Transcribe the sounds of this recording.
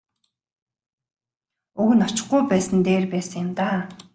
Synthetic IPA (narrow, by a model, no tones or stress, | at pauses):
uɣ̆nɔ̥t͡ɕɪ̆χɡujpæːsə̆nt̪eːrpæːsə̆ŋjɪmt̪aː